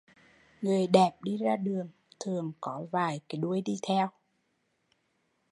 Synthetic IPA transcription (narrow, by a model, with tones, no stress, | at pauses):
ŋɨ˨˩əjɗɛ˨˩p̚ɗi˧zaː˧ɗɨ˨˩əŋ | t̪ʰɨ˨˩əŋkɔ˨˦vaː˨˩jkaː˨˦jɗu˧˩əjɗi˧t̪ʰɛ˧w